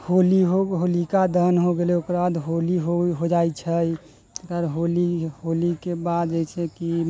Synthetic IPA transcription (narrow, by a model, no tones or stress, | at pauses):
holiɦoɦolikad̪ʱənɦoɡeleokɾbad̪ɦoliɦoɦod͡ʒajt͡ʃʰəj | əkəɾɦoliholikebad̪d͡ʒajt͡ʃʰɛki